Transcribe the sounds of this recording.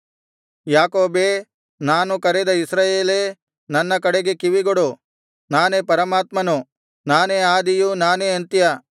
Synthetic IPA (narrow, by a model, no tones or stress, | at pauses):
jaːkoːbeː | naːnukɐɾed̪ɐisɾaːjeːleː | nɐnːɐkɐɽeɡekiʋiɡoɽu | naːneːpɐɾɐmaːt̪mɐnu | naːneaːd̪ijunaːneɐnt̪jɐ